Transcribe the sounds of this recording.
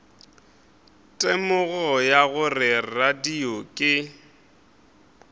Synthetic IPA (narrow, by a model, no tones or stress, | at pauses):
tʼemʊɣɔjaɣʊrɪradiɔkʼɪ